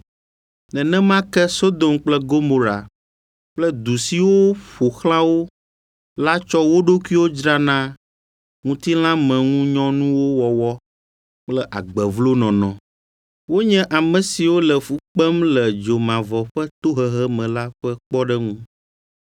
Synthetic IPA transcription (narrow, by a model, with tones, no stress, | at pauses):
nɛ̃˨nɛ̃˦mã˦kɛ˦so˦d̪o˨mk͡plɛ˦ɡo˦mo˨ɾa˨ | k͡plɛ˦d̪u˨si˨wo˦ɸo˨xlã˦wo˦ | la˦t͡ʃɔ˦wo˦ɖo˦kʷi˦wo˦d͡ʒɾa˦nã˦ | ŋũ˦t̪i˦l̃ã˦mɛ̃˨ŋũ˦ɲɔ̃˦nũ˦wo˦wɔ˨wɔ˦ | k͡plɛ˦ʔa˨ɡ͡bɛ˨vlo˦nɔ̃˨nɔ̃˨ | wo˦ɲɛ̃˦ʔa˨mɛ̃˨si˨wo˦lɛ˨fu˦k͡pɛ˦mlɛ˨d͡ʒo˨mã˨vɔ˨ɸɛ˦t̪o˦ɦɛ˦˨ɦɛ˦mɛ̃˨la˦ɸɛ˦k͡pɔ˦ɖɛ˦ŋũ˦